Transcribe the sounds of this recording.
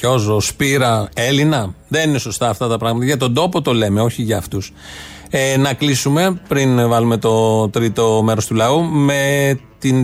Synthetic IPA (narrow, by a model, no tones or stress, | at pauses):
o̞zospiɾɐe̞linɐðe̞nine̞so̞st̪ɐːft̪ɐt̪ɐpɾɐɣmɐt̪ɐʝɐt̪o̞nd̪o̞po̞t̪o̞le̞me̞o̞çiʝɐːft̪us | enɐklisume̞pɾinvɐlume̞t̪o̞t̪ɾit̪o̞me̞ɾo̞st̪ulɐume̞t̪in